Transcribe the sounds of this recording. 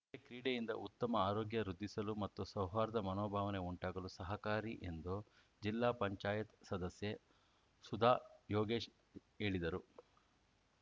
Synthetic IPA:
ekɾiːɽejind̪ɐ̰ʔut̪ːɐmɐaːɾoːɡjɐɾud̪ːisɐlumɐt̪ːusɐwʋaːɾɐd̪ɐmɐnoːbʱaːʋɐne̞uɳʈaːɡɐlusɐɦɐkaːɾiʔe̞nd̪u | d͡ʒilːaːpɐɲt͡ʃaːjɐt̪sɐd̪ɐsje | sud̪ʱaːjoːɡeːʃ | e̞ːɭid̪ɐɾu

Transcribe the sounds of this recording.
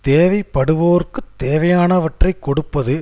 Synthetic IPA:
t̪eːʋɐɪpːɐɽɯʋoːɾkɯt̪ːeːʋɐjaːnɐʋɐʈrɐɪkːɔɽɯpːɐðɯ

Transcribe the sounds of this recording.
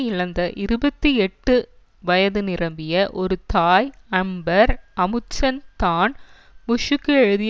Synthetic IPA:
ɪlɐnd̪ɐʔɪɾɯbɐt̪ːiɛʈːɯ | ʋɐjɐðɯnɪɾɐmbɪjɐʔɔɾɯt̪aːjɐmbɐɾɐmɯt͡ʃːɐnt̪aːn | mʊʂɯkːɯɛɻɯðɪ

